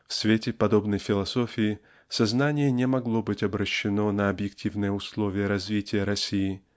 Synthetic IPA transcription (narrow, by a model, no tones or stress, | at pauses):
fsvʲetʲɪpɐd̪o̞bnəjfʲɪlˠɐso̞fʲɪɪ | sɐznanʲɪjənʲɪmɐɡlˠo̞bɨtʲɐbɾəɕːɪnonɐɐbjɪktʲivnɨjəʊslˠo̞vʲɪjəɾɐzvʲitʲɪjəɾɐsʲijɪ